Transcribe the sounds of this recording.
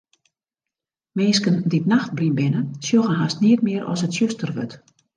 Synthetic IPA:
meːskənditnaxt̚blinbɪnəsjoɣənɦastniət̚mɪəɾɔ̰sətsjøstərʋø̰t

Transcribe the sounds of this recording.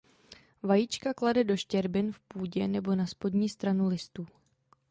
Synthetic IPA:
vajiːt͡ʃkakladɛdo̞ʃcɛɾbɪnfpuːɟɛnɛbo̞naspo̞dɲiːst̪ɾanulɪst̪uː

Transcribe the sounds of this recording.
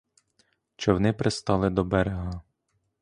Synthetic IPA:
t͡ʃɛwnɪpɾest̪ɑlˠɪd̪ɔbɛɾeɦɐ

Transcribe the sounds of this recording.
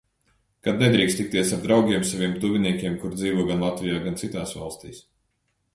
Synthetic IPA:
kad̪̚ned̪ɾiːkst̪ik̚t̪iɛsaɾd̪ɾawɡʲiɛmsavʲiɛmt̪uvʲiniɛkʲiɛmkuɾd̪ziːvuɔɡanlˠat̪vijaːɡant̪sit̪aːsva̰lˠst̪ḭːs

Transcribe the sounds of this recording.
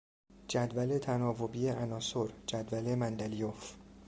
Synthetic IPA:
d͡ʒæd̪væle̞t̪ʰænɒːvobiːeʔænɒːsoɾd͡ʒæd̪væle̞mænd̪ælijof

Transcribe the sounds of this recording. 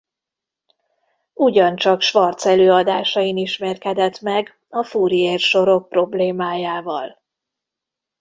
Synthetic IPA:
uɟɒnt͡ʃɒkʃʋɒrt̪sɛløːɒd̪aːʃɒiniʃmɛrkɛd̪ɛt̪mɛɡ | ɒfuːɾijeːrʃo̞ɾo̞k̚pro̞bleːmaːjaːvɒl

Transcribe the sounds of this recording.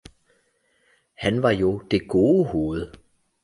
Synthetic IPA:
hænʋɑ̈jo̝d̥e̝ɡ̥o̝ːəho̝ːð̩ˠ

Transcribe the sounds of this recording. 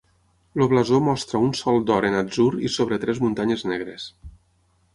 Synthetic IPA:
loβlazomɔst̪ɾaunsɔlˠd̪ɔɾenad͡zuɾisoβɾet̪ɾɛzmunt̪aɲeznɛɣ̞ɾes

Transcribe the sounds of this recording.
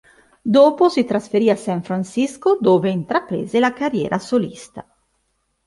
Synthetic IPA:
d̪oːposit̪ɾasfeɾiːasaɱfɾansiskod̪oːveint̪ɾapɾḛːzelakarjɛ̰ːɾʔasolist̪a

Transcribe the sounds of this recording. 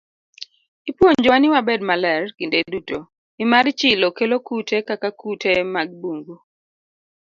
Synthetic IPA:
ipwoɲd͡ʒɔwanɪwabɛdmalɛrkindeduto | ɪmart͡ʃɪlokelokutʰekakakutʰemaɡ̚buŋɡu

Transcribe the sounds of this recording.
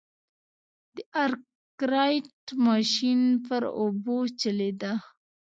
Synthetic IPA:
d̪̥əʔaɾ | kɾɑjʈmɑʃinpəɾobot͡ʃəled̪a

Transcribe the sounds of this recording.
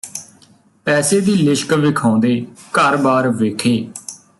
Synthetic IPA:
pɛːseːd̪iːlɪʃkʋɪkʰãːnd̪eːkəɾbaːɾʋeːkʰeː

